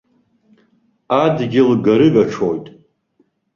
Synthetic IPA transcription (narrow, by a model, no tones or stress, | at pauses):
adɡʲɪlɡaɾɨɡaʈ͡ʂʰojtʼ